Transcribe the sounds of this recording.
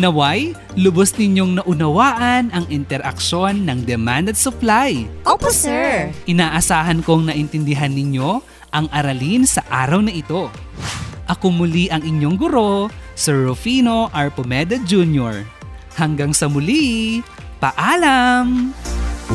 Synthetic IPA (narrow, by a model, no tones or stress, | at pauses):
nɐwaj | lʊbosnɪɲːo̞ŋnɐʔʊnɐwaːʔɐnɐŋʔɪnt̪ɛɾʔɐ̰kʃo̞nːɐŋd̪ɛmand̪ɐt̪sʊplajʔopoɛʔɪnaːʔɐsaːɦɐnkoŋnɐʔɪnt̪ɪnd̪ɪɦanːɪɲo̞ | ʔɐŋʔɐɾɐlinsɐʔaːɾɐwnɐʔɪt̪o̞ | ʔɐkomʊliʔɐŋʔɪɲːo̞ŋɡʊɾo̞sɛɹɹʊfiːno̞ʔɐɹpomɛd̪ɐd͡ʒunjoɹ | hɐŋɡaŋsɐmʊli | pɐʔaːlɐm